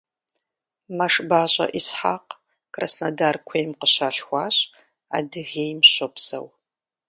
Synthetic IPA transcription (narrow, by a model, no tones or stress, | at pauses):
mɐʂbaːɕʼɐ̰ʔisħa̰ːq | kʼrasnɐdaːrkʷʰejmqəɕaːɬxʷɑːɕʼ | a̰ːdɨɣeːjmɕopsɐ̰w